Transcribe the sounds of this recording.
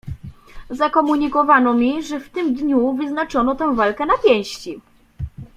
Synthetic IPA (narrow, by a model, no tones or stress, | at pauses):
zakɔmuɲikɔvanɔmʲiʐɛft̪ɘmd̪ɲuvɘznat͡ʂɔnɔt̪ɛ̃w̃valkɛnapʲjɛ̃w̃ɕt͡ɕi